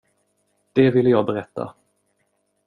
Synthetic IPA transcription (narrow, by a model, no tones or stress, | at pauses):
d̪̥ɛvɪlːəjɑːɡ̚bɛɾɛt̪ːa̰